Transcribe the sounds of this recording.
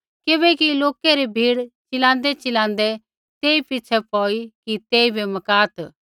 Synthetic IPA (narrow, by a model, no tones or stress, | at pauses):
kɪbɛkiloːkɛɾebʱiːɽt͡ʃɪlãːnd̪ɛt͡ʃɪlãːnd̪ɛ | t̪eːipɪt͡ʃʰɛpɔːikit̪eːibʱemɐkaːt̪